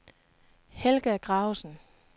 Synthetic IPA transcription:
helɡ̥æɡ̥ʁɑ̈ʊsn̩

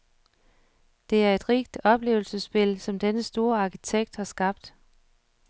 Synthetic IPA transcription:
d̥e̝æɐe̝d̥ʁiɡ̥d̥ɒ̽b̥le̝̰ːʊl̩səsb̥e̝lsɒ̽md̥enəsd̥o̝ːɐɑ̈kʰit͡sʰeɡ̥̚d̥hɑ̈sɡ̥ɑ̈b̥̚d̥

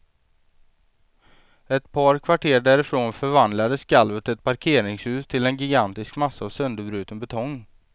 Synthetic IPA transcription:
ɛt̪pʰɑːɾkʰvaʈʰeːɖæːɾɪfɾoːnfœɾvand̪lad̪əskalvət̪ɛt̪̚pʰaɾkʰeːɾɪŋshʉ̟ːst̪ʰɪlɛnɡɪɡant̪ɪskmasːaːvsœnd̪əbɾʉ̟ːt̪ənbɛt̪ʰɔŋː

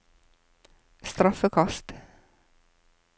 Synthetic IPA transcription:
st̪ɾɑfəkʰɑst̪

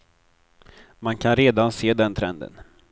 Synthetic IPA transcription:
mankʰanɾeːd̪anseːd̪ɛnt̪ʰɾɛnd̪ə̰n

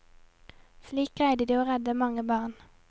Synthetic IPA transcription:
sliːkʁæɪd̪ɪd̪iːoːʁɛd̪əmɑŋəbɑːʁn

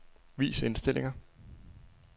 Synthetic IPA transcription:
ʋḭːse̝nsd̥e̝l̰ʔe̝ŋɐ

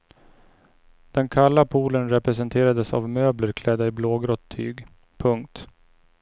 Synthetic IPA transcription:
d̪̥ɛnkʰalːapʰuːlənɾɛpɾɛs̬ɛnt̪ʰeːɾad̪əsa̰vmøːbləɾkʰlɛd̪ːaɪbloːɡɾɔt̪ʰːy̰ːɡ | pʰɵŋkt̪

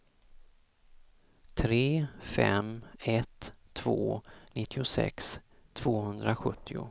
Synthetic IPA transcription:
t̪ʰɾeːfɛ̰mɛt̪ʰːv̥o̰ːnɪt̪ʰːɪʊsɛ̰kst̪ʰv̥oːhɵnd̪ɾaɧɵt̪ʰːɪʊ̰

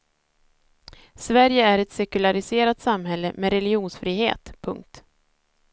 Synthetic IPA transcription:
svæɾjəæɾɛt̪sɛkɵlaɾɪseːɾat̪samɦɛlːəmeɾɛlɪuːnsfɾiːɦḛːt̪pʰɵ̰ŋk̚t̪

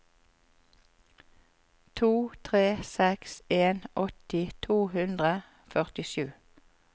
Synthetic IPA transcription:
t̪ʰuːt̪ʰʁeːsɛkseːnʔɔt̪ɪt̪ʰuːhʉnd̪ʁə | fœʁt̪ɪʃʉː

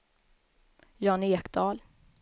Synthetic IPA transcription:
jɑːneːkd̪ɑːl

